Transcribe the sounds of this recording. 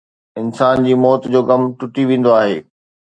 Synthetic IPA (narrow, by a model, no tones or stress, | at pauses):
ɪnsaːnd͡ʑiːmɔːt̪d͡ʑoːɡɐmʈʊʈiʋẽːn̆d̪oaːɦḛː